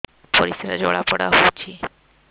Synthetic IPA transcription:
poɾiseɾad͡ʑoɭapɔɽa̰ɦot͡ɕʰi

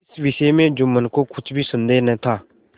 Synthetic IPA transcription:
ɪsʋɪseːmẽːd͡ʒoːmənkoːkʰʊt͡ʃʰbʱiːsənd̪eːnɛ̃ːt̪ʰaː

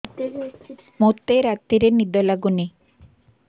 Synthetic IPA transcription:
mot̪ːeɾat̪ːiɾenid̪ɔlaɡuni

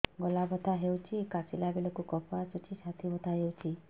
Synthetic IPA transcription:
ɡɔlabɔt̪ʰaɦewt͡ʃʰikasilabilɔkukɔpʰasut͡ʃʰisat̪ʰibɔt̪ʰaɦewt͡ʃʰi

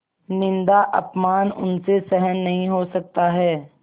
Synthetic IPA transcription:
nɪ̃nd̪aʔɐ̰pmaːnʊ̰nsesɛɦənːɐɦĩɦosɐk̚t̪aɦɛː

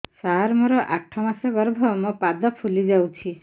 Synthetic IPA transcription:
saɦaɾmoɾɔʔak̚ʈʰɔmasɔɡɔɾbʱɔmɔpad̪ɔpʰulid͡ʒawt͡ʃʰi

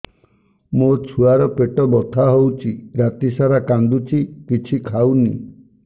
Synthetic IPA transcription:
mot͡ʃʰuaɾɔpeʈɔbɔt̪ʰaɦowt͡ʃʰiɾat̪isaɾakand̪ut͡ʃʰikit͡ʃʰikʰawnḭ

